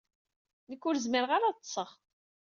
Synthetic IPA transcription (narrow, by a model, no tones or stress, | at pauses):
nəkːʊɾzməɾʁaɾaˤsˤːəʁ